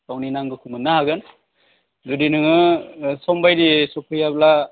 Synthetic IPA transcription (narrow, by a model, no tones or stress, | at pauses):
sawninaŋɡɯkʰumɯnːahaɡɯn | zudinɯŋɯsɔmbajdisɔkʰɯjabla